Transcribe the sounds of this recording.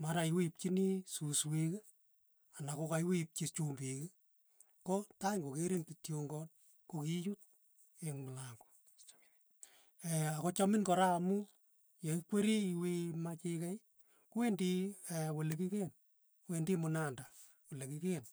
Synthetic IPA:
maɾaiwip̚t͡ʃinisusweke | anakokajwep̚t͡ʃit͡ʃumbike | kotaŋɡokeɾintitjoŋɡɔt̚ | kokit͡ʃut̚ | eŋmʊlaŋɡo̥ | ɛakot͡ʃɔmɪnkɔɾaːmu | jaikweɾiiwemat͡ʃikɛ | kuwendiɛwolekiken | kuwendimʊnanda | wolekiken

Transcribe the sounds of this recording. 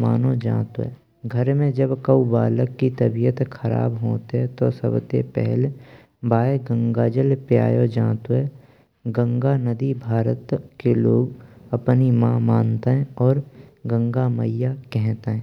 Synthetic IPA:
ma̰ːnõd͡ʒã̰ːt̪o̰ɦɛ̰ː | ɡʱəɾmẽd͡ʒəbkəubaːləkːit̪əbijət̪kʰəɾa̰ːbɦoːt̪eɦɛ̃t̪osə̰bt̪epɛ̰ɦle | baːeɡə̃ŋɡaːd͡ʒəlpja̰ːjod͡ʒãːt̪oɦɛː | ɡə̃ŋɡanəd̪ibʱaːɾət̪keloːɡəpnimãmaːnt̪eɦɛ̃ɔːɾɡə̃ŋɡamə̰jakɛɦt̪eɦɛ̃ː

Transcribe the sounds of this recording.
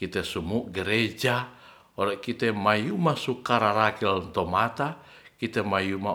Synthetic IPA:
kit̪ɛsumuʔɡəɾed͡ʒa | ɔlɛkit̪ɛmajumasukaɾaɾakilnt̪ɔmat̪a | kit̪ɛmajuma

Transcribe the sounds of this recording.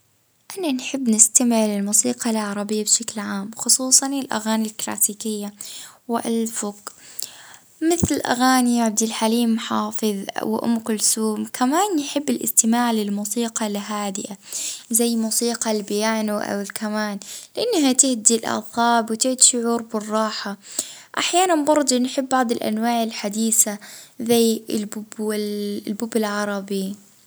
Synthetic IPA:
ʔananħɪbːnɪst̪amɪʕlɪlmuːsiːqɑlʕɑɾˤɑbɪjːabʃaklʕaːmxʊsˤuːsˤɑnɪlʔa̰ɣaːnilkla̰ːsiːkɪjːawɪʔalfʊq | mɪθlɪʔa̰ɣaːnijaʕabd̪ɪlħaliːmħɑːfɨðw̰ʔʊ̰mːkʊlsuːmkʰamaːnjħɪbːɪlʔɪ̰st̪ɪmaːʕlɪlmuːsiːqɑlɦaːd̪ɪʔazajːmuːsiːqɑlbɪjaːnaʔa̰wɪlkʰamaːnlɪʔanːaɦat̪ɪhd̪ilʔɑ̰θˤɑːbwɪt̪ɪʕd̪iʃʊʕuːɾbɪrˤːɑːħaʔaħjaːnanbɑɾˤd̪ˤunħɪbːɑʕd̪ˤɪlʔa̰nwaːʕɪlħad̪iːsazajːɪlbʊbɪlbʊbɪlʕɑɾˤɑbi

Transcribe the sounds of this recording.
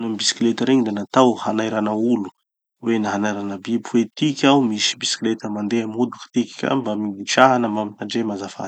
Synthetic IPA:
nambisi̥klet̪əɾeɲid̪enat̪awhanajɾanaulu̥ | wenaɦanajɾanabipuwet̪ikʲawmisi̥bisi̥klet̪əmand̪eamiud̪uki̥t̪ikʲi̥kʲa̰bamid̪iʈ͡ʂaɦanəmaminaɖ͡ʐemazafa̰̥

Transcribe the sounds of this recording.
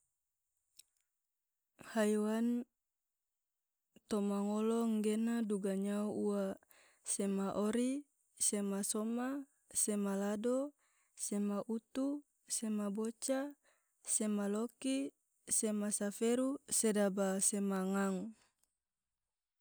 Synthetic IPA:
hajwan | t̪omaŋoloŋɡenaduɡaɲauuwa | semaʔoɾi | semasoma | semalado | semaʔut̪u | semabot͡ʃa | semaloki | semasafeɾusedabasemaŋaŋ

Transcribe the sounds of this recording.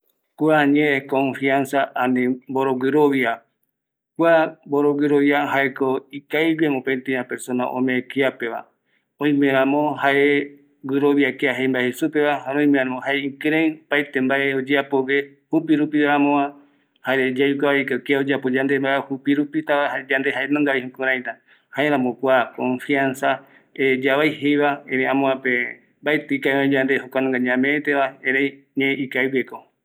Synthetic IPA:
kuaɲẽekõɱfiansaʔanĩmboɾoɡɨɾoβia | kʷamboɾoɡɨɾoβjaɦaekoikajwemõpent̪iãpe̞ɾsõ̞na̰ʔõ̰mẽkiape̞ʋa̰ | õĩmẽɾ̃ãmõhaʔe | ɡɨɾoβjakeaɦejmbaehesupe̞βahaɾõĩmẽãamõhaeĩŋkɾẽjpajt̪e̞mbaʔeod͡ʒeapoɡe | hupiɾupieɾãmõã | haed͡ʒajikaβaikakeaod͡ʒeapod͡ʒãnd̪embaehupiɾupit̪aahad͡ʒand̪e̞ɦaenõŋɡaihẽkõɾajt̪a | haeɾ̃ãmõkʷakõɱfiansa | ed͡ʒaβajhejβaẽɾẽãmõãpe | mbaet̪ɨikajãd͡ʒand̪eɦokʷanõŋɡaɲãmẽet̪eβaẽɾej | ɲẽikajbeko

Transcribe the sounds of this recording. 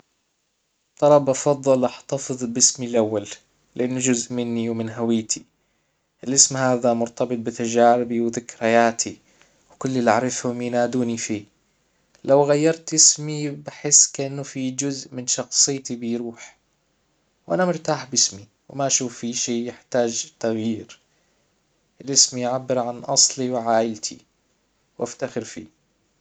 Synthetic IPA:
t̪ˤːɑlˤɑbʔɑfɑðˤːɨlʔɑħt̪ɑfɨðˤbɪsmilʔawːal | lɪʔanːʊd͡ʒʊzʔmɪnːiwmɪnɦawiːt̪ʰi | ʔɪlʔɪsmhaːðamʊɾt̪ɑbɨt̪̚ˤbɪt̪ad͡ʒaːɾɪbiwðɪkːɾhajaːt̪ʰi | wkʊlːɪlaʕɾɪfhʊmjnaːd̪uːnifiː | lawɣajːɑɾˤt̪ʔɪsmibɪħɪsːkaʔɪnːʊfid͡ʒʊzʔmɪnʃɑxsˤɨjːt̪ibɪjɾuːħ | wʔanamʊɾt̪aːħbɪsmi | wɪmaʔʃuːfːiʃiːjɪħt̪aːd͡ʒt̪aɣjiːɾ | ʔɪlʔɪsmijʕabːɪɾʕanʔɑsˤliwɪʕaːʔɪlt̪ʰḭ | wʔaft̪axɪɾfḭː

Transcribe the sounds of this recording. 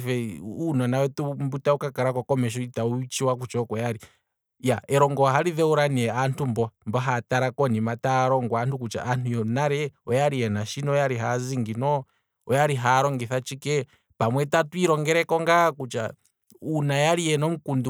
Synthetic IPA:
fɛunɔnawɛtumbutaukakaɾakɔkɔmɛʃ̬ɔitaut͡ʃiwakut͡ʃɔkɔjaɾi | jaɛɾɔŋɡɔɦaɾiðɛuɾaniɛantumbɔmbɔɦataɾakɔnimataɾɔŋɡwantukut͡ʃa̰ʔːn̥tujɔnaɾɛɔjaɾiɛnaʃinɔɔjaɾiɦaziŋɡinɔ | ɔjaɾiɦaɾɔŋɡɛθat͡ʃikɛ | pamwɛtatwiɾɔŋɡɛɾɛkɔŋɡakut͡ʃa̰ | unajaɾijɛnɔmukundu

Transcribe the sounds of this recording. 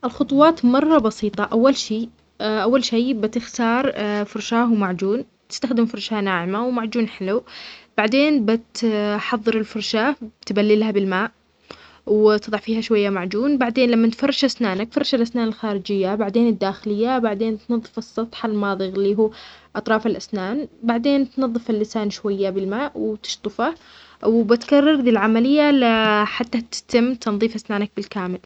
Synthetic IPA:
ʔɪlxʊt̪ˤuwɑːt̪mɑrˤːɑbɑsiːt̪ˤɑʔawːalʃiː | ʔawːalʃeːbɪt̪ɪxt̪ɑːɾˤfʊɾˤʃaːhwmaʕd͡ʒuːn | t̪ɪ̥st̪axd̪ɪmfʊɾˤʃanaːʕɪmawmaʕd͡ʒuːnħɪlub̥aʕd̪eːnbɪt̪ħɑðˤːɨɾɪlfʊɾˤʃaːbt̪balːɪlhabɪlmaːʔ | wt̪ɨðˤɑʕfiːhaʃwajːamaʕd͡ʒuːnbaʕd̪eːnlamːant̪fɑrˤːɑʃʔasnaːnakfɑrˤɑʃalʔasnaːnɪlxaːɾɪd͡ʒɪjːabaʕd̪eːnɪd̪ːaːxɪlɪjːabaʕd̪eːnt̪nɑðˤːɨfɨsˤːɑt̪ˤħalmɑːðˤɨɣɪlːiːɦuːʔɑt̪ˤɾˤɑːfalʔasnaːnbaʕd̪eːnt̪nɑðˤːɨfalːɪsaːnʃwajːabɪlmaːʔwt̪ɪ̥ʃt̪ˤɨfa | wbɪt̪karˤːɑɾˤd̪iːlʕamalɪjːalaħat̪ːat̪ɪ̥t̪ɪmːt̪ɑnðˤiːfʔasnaːnak̚bɪlkaːmɪl

